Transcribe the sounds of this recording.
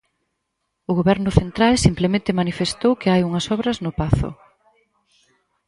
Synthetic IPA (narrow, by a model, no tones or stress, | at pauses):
ʊɣoβɛɾnʊθent̪ɾalsimplemẽnt̪ɪmanifest̪owkɪajuŋɐsɔβɾɐznʊpaθʊ̰